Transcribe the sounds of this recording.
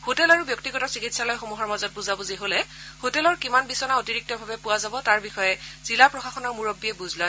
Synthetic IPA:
hotɛlaɹubjɔk̚tiɡɔtɔsikitsalɔjxomuɦɔɹmazɔt̚buzabɔziɦolɛhotɛlɔɹkimanbisɔnaotiɹik̚tɔbʱabɛpʊwazabɔtaɹbixɔjɛz̥ilapɹɔxaxɔnɔɹmuɹobːiɛbuzlɔj

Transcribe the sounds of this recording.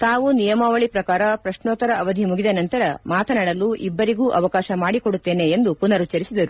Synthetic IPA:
t̪aːʋunijɐmaʋɐɭipɾɐkaːɾɐpɾɐʃnoːt̪ɐɾɐɐʋɐd̪ʱimuɡid̪ɐnɐnt̪ɐɾɐmaːt̪ʰɐnaɽɐlːuʔibːɐɾiɡuːʔɐʋɐkaːʃɐmaːɽiko̞ɽut̪ːe̞ːne̞ːnd̪upunɐɾut͡ʃɐɾisid̪ɐɾu

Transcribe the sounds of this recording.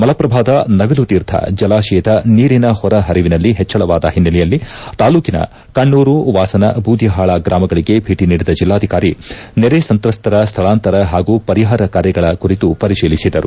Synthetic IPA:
mɐlɐpɾɐbʱaːd̪ɐnɐʋilut̪iːɾt̪ʰɐ̰d͡ʒɐlaːʃɛjɐd̪ɐniːɾinɐhɔɾɐɦɐɾiʋinɐlːiɦɛt͡ʃːɐɭɐʋaːd̪ɐ̰ɦinːɐlɛjɐlːit̪aːluːkinɐ̰ | kɐɳːuːɾuʋaːsɐnɐ̰bʱuːd̪ʱjɐɦaːɭaɡɾaːmɐɡɐɭiɡe̞bʱiːʈiniːɽid̪ɐd͡ʒilːaːd̪ʱikaːɾineɾesɐnt̪ɾɐst̪ʰɐɾɐst̪ʰɐɭaːnt̪ɐɾɐɦaːɡuːpɐɾiɦaːɾɐkaːɾjɐɡɐɭɐkuɾit̪upɐɾiʃiːlisid̪ɐɾu

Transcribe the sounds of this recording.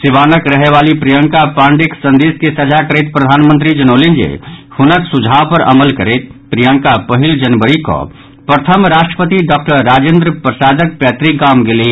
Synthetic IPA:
sɪʋaːnəkɾəɦeʋaːlipɾijəŋkapãːɳɖɪksə̃nd̪iːskesəd͡ʒakəɾet̪pɾəd̪ʱaːnmə̃nt̪ɾid͡ʒənoːlind͡ʒḛhʊnəksud͡ʒʱaːʋpəɾɐ̰məlkəɾeːt̪̚pɾijə̃ŋkapəɦɪld͡ʒənbəɾiko̰ɔ̰ | pɾət̪ʰəmɾaːʃʈɾəpət̪iɖɔːk̚ʈəɾːaːd͡ʒẽːnd̪ɾəpɾəsaːd͡ʒək̚pjɛːt̪ɾikɡaːmɡɪli

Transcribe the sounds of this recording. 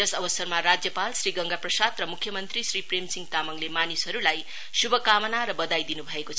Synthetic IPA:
ʌsʌbʌsʌrmaɾad͡zjʌpalsriɡʌŋɡaprʌsad̪rʌmukʰjʌmʌnt̪risripremsiŋt̪amʌŋlemanisɦʌɾulaj | subʱʌkamʌnaɾʌbʌd̪ajd̪inubʱʌekot͡sʰʌ

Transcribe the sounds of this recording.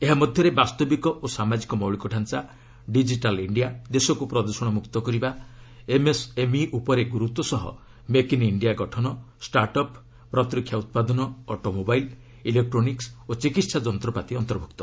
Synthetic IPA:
eɦamɔd̪ʱjɔɾebast̪ɔbikɔʔosamad͡ʒikɔmɔwɭikɔʈʰant͡ʃa | ɖid͡ʒiʈaliɳɖijad̪esɔkupɾɔd̪ɔsɔɽ̃ɔmukt̪ɔkɔɾiba | emesemiʔupɔɾeɡuɾut̪ːɔsɔɦɔ̰ | mekiniɳɖijaɡɔʈʰɔnɔ | sʈaɾʈɔpː | ɾɔt̪ɾikʰjaut̪̚pad̪ɔnɔɔʈomobajl | ilek̚ʈɾoniksot͡ʃikit̪sad͡ʒɔnt̪ɾɔpat̪iɔnt̪ɔɾbʱuk̚t̪ɔ̥

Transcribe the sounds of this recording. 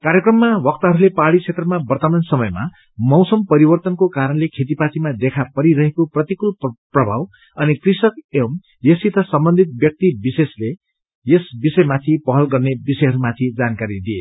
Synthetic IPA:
kaɾjekrʌmːawʌk̚t̪ʌɦʌɾulepaɽit͡sʰet̪rʌmabʌrt̪ʌmansʌmʌjma̰ | mʌwsʌmpʌɾibʌrt̪ʌnkokaɾʌnlekʰet̪̬ipatimad̪ekʰapʌɾiɾʌɦekoprʌt̪ikulprʌbʱa̰w | ʌnikrisʌkem | jʌsit̪ʌsʌmbʌnd̪ʱit̪̚bjʌk̚t̪ibisesle | jesbisʌjmat̪ʰipʌɦʌlɡʌrnebisʌjɦʌɾumat̪ʰid͡zankaɾid̪iḛ

